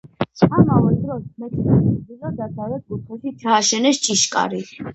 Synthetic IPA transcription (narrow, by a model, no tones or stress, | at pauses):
amavɛld̪ɾɔsmɛt̪ʰʼnaɛizad̪ad̪ʼawɛt̪̚ɡupʰɛʃit͡ʃ̪ʰaːʃɛnɛst͡ʃʼiʃkʼa̰ɾi